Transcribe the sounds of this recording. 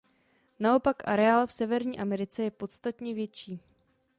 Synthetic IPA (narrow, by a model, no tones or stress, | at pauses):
nao̞pakʔa̰ɾɛaːlfsɛvɛɾɲiːʔamɛɾɪt͡sɛjɛpo̞t̪st̪at̪ɲɛvjɛt͡ʃiː